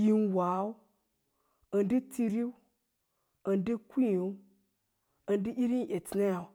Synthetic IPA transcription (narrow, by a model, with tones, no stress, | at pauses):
ji˦nwa˨˦u˦ | ə˨ndi˦ti˦ɾi˦w | ə˨ndi˦ku˦˨˦u˦ | ə˨ndi˦ʔi˦ɾi˦nʔe˨ti˨na˦ja˨